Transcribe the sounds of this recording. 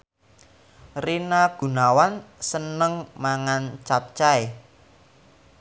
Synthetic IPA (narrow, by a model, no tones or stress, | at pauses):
rinaɡ̥ṳnawansənəŋmaŋant͡ʃap̚t͡ʃae